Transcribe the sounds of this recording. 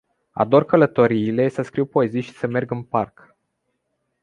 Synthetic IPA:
a̰d̪o̞rkələt̪o̞ɾiːle̞səskɾiwpo̞e̞zijʃi̥səme̞rɡɨnpark

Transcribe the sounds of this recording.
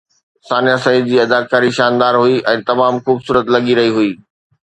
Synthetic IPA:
saːnijasɐid̪̚d͡ʑiːɐd̪aːkaːɾiʃaːnd̪aːɾɦuiʔɛ̃ːt̪ɐmaːmxuːbsuːɾət̪lɐɠiɾɐɦiɦuiː

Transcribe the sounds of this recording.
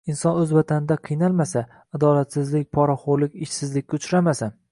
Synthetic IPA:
ɪnsɒnɵzvat̪ʰanɪd̪aqʰɨjnalˠmasaː | d̪ɒlat̪sɪzlɪk̚ʲpʰɒɾaχoɾlɪkʲɪʃsɪzlɪkʲːaʊt͡ʃɾamasan

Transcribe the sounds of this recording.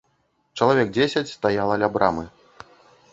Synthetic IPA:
t͡ʂɐlˠavʲɛɡ̚d͡zʲesʲɐt͡sʲst̪ajalˠɐlʲabɾa̰mɨ

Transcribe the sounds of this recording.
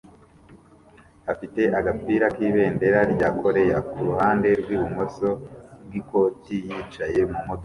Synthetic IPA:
afite̞ʔaɡapiːɾakiːβe̞ːnde̞ɾaɾɟaːkʰo̞ɾe̞jakuɾuhaːnde̞ɾɡwiːβumoso̞bɡiko̞ːtijiːt͡ʃaje̞mumoto

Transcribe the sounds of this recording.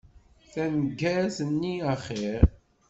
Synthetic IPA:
θænəɡːæθənːiæχeɾ

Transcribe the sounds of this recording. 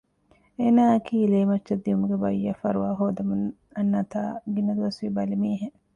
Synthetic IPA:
eːnaːɐkʰiːleːmɐt͡ʃːɐd̪ːiumuɡebɐjːɐfɐɾuʋaːɦoːd̪ɐmn | ɐnːɐt̪a̰ːɡinːɐd̪uʋɐsʋibɐlimiːɦe

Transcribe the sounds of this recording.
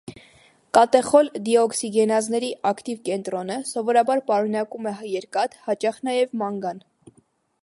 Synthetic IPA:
kɑt̪ɛχɔld̪iɔksiɡɛnɑznɛɾiʔɑkʰt̪ivkɛnt̪ɾɔnəsɔvɔɾɑbɑɾpɑɾunɑkumɛɦɑjɛɾkɑt̪hɑt͡ʃɑχnɑjɛvmɑŋɡɑn

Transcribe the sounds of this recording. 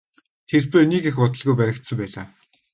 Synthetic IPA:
t̪ʰerpernikixʊt̪ə̆ɮɣujpæɾʲɪ̆k̚t̪sə̆mpæːɮa̰ː

